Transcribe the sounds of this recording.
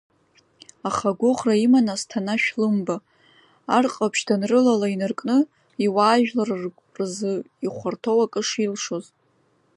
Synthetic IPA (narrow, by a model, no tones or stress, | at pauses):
aχaɡʷʊχraimanastʰanaʃᶣlɨmba | arqʼapʰʃdʰanrɨlalainarkʼnɨ | iwaːʒᶣlarrʷʼ | rzɨ | iχʷartʰo̞wakʼɨʂilʂoz